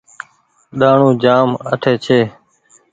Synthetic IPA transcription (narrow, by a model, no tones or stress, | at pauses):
ɗaːɳũːd͡ʒaːməʈʰeːt͡ʃʰeː